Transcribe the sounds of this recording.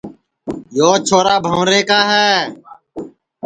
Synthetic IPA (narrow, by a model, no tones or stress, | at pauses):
joːt͡ʃʰoːɾaːbʱəʋɾeːkaːɦɛː